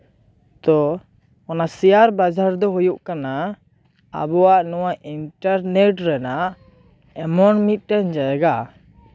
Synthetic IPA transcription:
t̪ɔ | ɔnasijaɾbad͡ʒaɾd̪ɔɦujuʔkana | a̰bɔwaʔnɔwaʔinʈaɾnɛʈɾɛnaʔ | ɛmɔnmit̪̚ˀʈɛɲd͡ʒaɛɡa

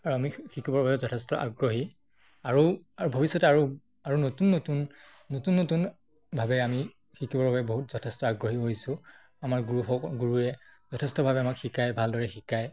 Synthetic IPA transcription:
aɹuamixikibɔɹbʱabɛzɔtʰɛstɔʔa̰ɡɹoɦi | aɹuaɹubʱobisːɔtaɹu | aɹunotunːotunː | otunːotun | bʱabɛami | xikibɔɹbʱabɛboɦutz̥ɔtʰɛstɔaɡɹoɦiɦojsʊ̃ | amaɹɡuɹuɦɔkɡuɹuɛzɔtʰɛstɔbʱabɛamakxikajbʱaldɔɹɛxikaj

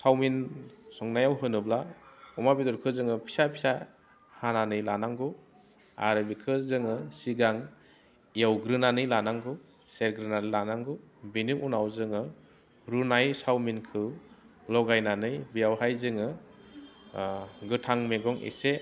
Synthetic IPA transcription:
sawminsɔŋnajawɦɯnɯblaɔmabidɔɾkʰɯzɯŋɯpʰi̥sapʰi̥sa | hananɯjlanaŋɡɯ | a̰ɾɯbikʰɯzɯŋɯsiɡaŋ | ijawɡɾɯnanɯjlanaŋɡɯ | seɾɡɾɯnanɯlanaŋɡɯbiniŋʔunawzɯŋɯ | ɾunajsawminkʰɯlɔɡajnanɯjbijawɦajzɯŋɯ | ɡɯtʰaŋmeɡɔŋḛse

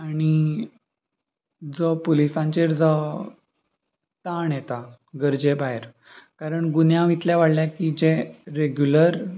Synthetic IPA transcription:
aɽ̃i | d͡zɔpolisãɲt͡ɕeɾd͡zɔ | t̪aɳjet̪a | ɡəɾd͡ʑebaɦeɾ | kaɾəɳɡunjãʋit̪ljaʋaɽljakid͡ʑẽɾeɡjuləɾ

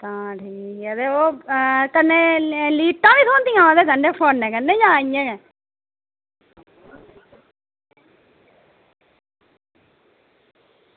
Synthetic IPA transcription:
t̪ãːʈʰiːkːd̪eːoːkənːeːliːʈːãːʋiːt̪ʰoːnt̪ĩjãːd̪eːsəɳɖeːpʰoːnːɛ̃ːkənːẽːd͡ʒãːijãːɛː

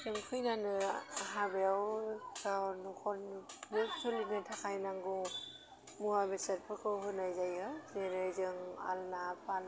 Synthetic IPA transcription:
tɯŋkʰɯjnanɯɦabeawsawnukʰɔnbek̚sʰɔlinɯtʰakʰajnaŋɡu | muabesat̚pʰɯkʰɯwɦɯnajzajɯzenɯzɯŋa̰lnapʰal

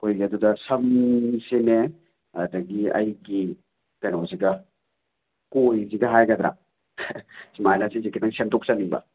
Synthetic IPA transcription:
kojɡiɐdudɐsɐmsene | ɐdɐɡiɐ̰jɡi | kajnoziɡɐ | kojziɡɐɦajɡɐd̪ɾa̰ | simajnasizikidɐŋsentɔk̚saniŋbɐ̰

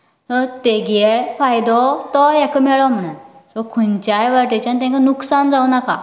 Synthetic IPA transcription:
t̪ɔt̪eɡɛfajd̪ɔt̪ɔjɛkʰəmɛɭɔm̤əɽ̃unsɔkʰunt͡ɕajʋaʈet͡ɕant̪ɛ̃ŋkanuksand͡zaunaka̰

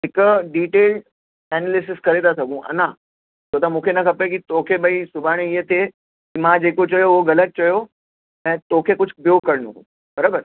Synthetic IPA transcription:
ɦɪkɖiːʈeːlʈ | ɛːnelɪsɪskɐɾet̪ʰasɐɡʱũʔɐ̰nã | t̪ʰoːt̪ɐmũːkʰenɐkʰɐpek̬it̪oːkʰebɐisʊbʱaːɽ̃eiɦət̪ʰe | kimãːd͡ʑeːkot͡ɕɐjoʋoɣɐlət̪̚t͡ɕɐjo | ɛ̃ːt̪oːkʰekʊd͡ʑʱbjokɐɾnṵ̃kṵ̃ | bɐɾaːbəɾ

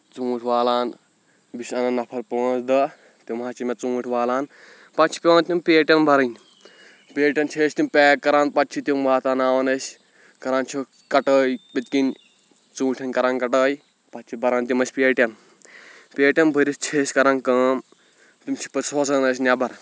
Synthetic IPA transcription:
t͡sũːʈʲʰʋaːlaːn | bisʲɐnɐnːɐpʰɐɾpoːt͡sd̪ɐ | t̪imaːt͡ʃimɐt͡sũːʈʰʲʋaːlaːn | pɐtt͡ʃʰi̥pʲeʋaːnt̪impʲeːʈʲɐnbʱɐɾɐnʲ | pʲeːʈʲɐnt͡ʃʰeːsʲt̪impʲeːkːɐɾaːnpɐt̪̚t͡ʃʰit̪imʋaːt̪anaːʋɐnɐsʲ | kɐɾaːnt͡ʃʰi | kɐʈəːjpit̪̚kinʲ | t͡sũːʈʲʰɐnʲkɐɾaːnkɐʈəːj | pɐt̪̚t͡ʃʰibʱɐɾaːnt̪imɐsʲpeːʈʲɐn | peːʈʲɐnbʱəɾʲist͡ʃʰeːsʲkɐɾankɐm | t̪imt͡ʃʰi̥pɐsʰoːsɐnɐs̬ʲnʲabɐɾ

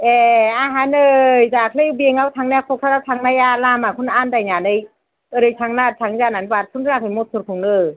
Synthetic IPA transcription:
ʔɛaɦanɯjzaːkʰlebiəŋawt̪ʰaŋnɛkʰok̚tʰaɾawt̪ʰaŋnajaːlaːmaːkʰunaːndajɲaːnɯj | əɾɯjtʰaŋnaːt̚t̪ʰaŋzaːnanwat̚kʰunɯakʰamot̚sʰukʰoŋnɯ

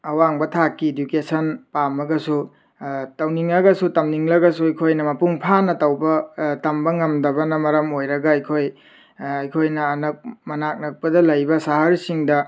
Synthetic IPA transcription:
ɐwaŋbɐtʰakːiedjukesɐnpamɐɡɐsu | tɐwniŋɐɡɐsutɐmniŋlɐɡɐsuɐjkʰojnɐmɐpuŋpʰanɐtɐwbɐtɐmbɐŋɐmdɐβɐnɐmɐɾɐmojɾɐɡɐɐjkʰoj | ɐjkʰojnɐːnɐk̚mɐnak̚nɐk̚pɐdɐlɐjbɐsaɦɐɾsiŋdɐ

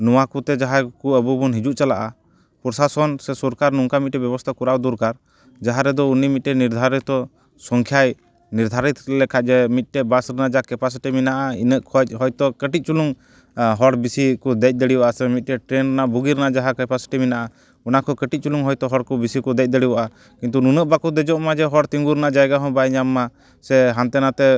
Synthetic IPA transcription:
nɔwakut̪ɛd͡ʒaɦakuəbubunɦid͡ʒuʔt͡ʃalaʔa | pɾɔsasɔnsɛsɔɾkaɾnuŋkamit̪̚ʈɛbjɛbɔst̪ʰakuɾawd̪uɾkaɾ | d͡ʒaɦaɾɛd̪ɔunimit̪̚ʈɛniɾd̪ʱaɾit̪t̪ɔ | sɔŋkʰjaj | niɾd̪ʱaɾit̪ɾɛlɛkʰad͡ʒɛmit̪̚ˀʈɛbasɾɛnaʔd͡ʒaakɛpas̬iʈiminaʔainəʔkʰɔc̚ɦɔjt̪ɔkəʈic̚t͡ʃuluŋ | ɦɔɽbisikɔd̪ɛc̚d̪əɽiaʔasɛmit̪̚ˀʈɛʈɾɛnɾɛnaʔbuɡiɾɛnaʔd͡ʒaɦakɛpasi̥ʈiminaʔa | ɔnakɔkəʈic̚t͡ʃuluŋɦɔjt̪ɔɦɔɽkɔbisikɔd̪ɛc̚d̪ɛɽiwaʔa | kint̪ununəʔbakɔd̪ɛd͡ʒɔʔmad͡ʒɛɦɔɽt̪iŋɡuɾɛnaʔd͡ʒajɡaɦɔ̃bajɲamːa | sɛɦant̪ɛnat̪ɛ

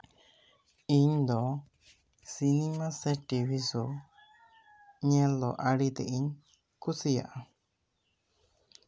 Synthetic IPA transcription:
iɲd̪ɔ | sinimasɛʈibʰisu | ɲɛlɔʔaɽit̪ɛ̰ʔiɲ | kusija̰ʔa

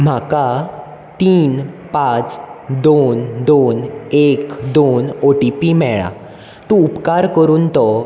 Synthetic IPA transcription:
m̤aka | t̪iːnpat͡sd̪ond̪onekd̪onoʈipimɛɭa̰ | t̪ũupkaɾkəɾuːnt̪ɔ

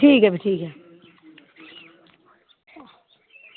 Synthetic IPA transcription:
ʈʰiːkɦɛbʱiʈʰiːkɦɛ

